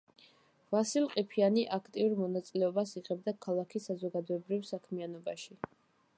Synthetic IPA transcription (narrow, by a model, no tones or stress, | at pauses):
vasilˠqʼipʰianiʔakʰt̪ʼiuɾmɔnat̪sʼilɛɔbasiʁɛbd̪akʰalˠakʰisazɔɡad̪ɔɛbɾivsakʰmianɔbaʃi